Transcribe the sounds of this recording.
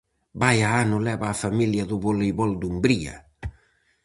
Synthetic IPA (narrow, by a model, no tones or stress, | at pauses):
bajaanulɛβaːfamiljaðuβoliβɔld̪umbɾia̰